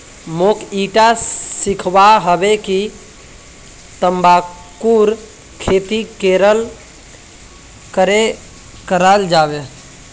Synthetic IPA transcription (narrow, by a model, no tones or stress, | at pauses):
mokiʈasikʰbaɦəbeki | t̪əmba | kuɾ | kʰet̪ikeɾəl | kəɾe | kəɾald͡ʒabe